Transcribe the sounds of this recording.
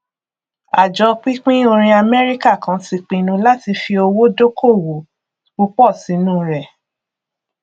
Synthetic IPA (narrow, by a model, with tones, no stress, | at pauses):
a˨d͡ʒɔ˧˦k͡pi˦k͡pĩ˦o˧ɾ̃ĩ˧a˧mɛ˦ɾi˦ka˦˨kã˨˦ti˧k͡pĩ˨nũ˧˦la˦ti˧fi˧o˧wo˦do˦kʰo˦˨wo˨ | u˧k͡pɔ˦˨si˨˦nũ˦ɾɛ˨